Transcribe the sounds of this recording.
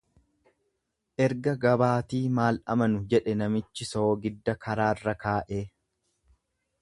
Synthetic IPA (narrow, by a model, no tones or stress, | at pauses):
ʔɛɾɡɐɡɐbaːt̪iːmaːlɐ̰mɐnʊd͡ʒɛᶑɛnɐmɪt͡ʃːɪsoːɡɪd̪ːɐkʰɐɾaːrːɐkaːʔeː